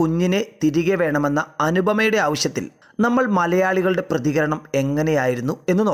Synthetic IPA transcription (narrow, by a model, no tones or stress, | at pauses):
uɲːine̞t̪iɾiɣɐʋe̞ːɳɐme̞nːɐɐnubʱɐmɐjuɽeaːʋɐɕjɐt̪ːḭl | nɐmːɐɭmɐlɐjaːɭiɣɐɭɨɽe̞prɐðiɣɐɾɐɳɐme̞ŋːɐne̞jaːjiɾunːue̞nːɨnoː